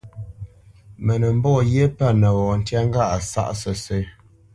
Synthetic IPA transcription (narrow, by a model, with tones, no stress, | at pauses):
mə˨nə˨m̩˦bɔ˦˨je˦pa˦˨nə˨wɔ˨n̩˨tja˦ŋ˦ɡa˦˨ʔa˨sa̰˦ʔsə˨se˨˦